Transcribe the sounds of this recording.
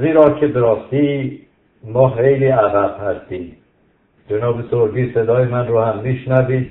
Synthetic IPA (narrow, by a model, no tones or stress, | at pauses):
ziːɾɒːkʰe̞beɾɒːst̪iː | mɒːxejliːæɣæb̥̚hæst̪iːm | d͡ʒenɒːbesoɾd͡ʒiːse̞d̪ɒːjemænroːhæmːiːʃnæviːd̪̥